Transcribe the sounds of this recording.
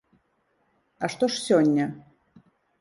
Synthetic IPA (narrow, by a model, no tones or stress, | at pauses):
aʂt̪oʂsʲonʲːə